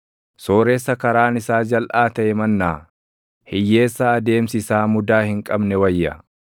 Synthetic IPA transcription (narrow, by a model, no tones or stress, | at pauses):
soːɾeːsːɐkɐɾaːnɪsaːd͡ʒɐlʔaːt̪ɐʔɛmɐnːaː | hɪjːe̞ːsːɐːd̪e̞ːmsɪsaːmʊd̪aːhɪŋkʼɐbnɛwɐjːɐ